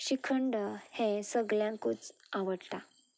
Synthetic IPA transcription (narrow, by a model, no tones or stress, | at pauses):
ɕikʰəɳɖhẽsəɡljãŋkut͡s | aʋəɽt̪a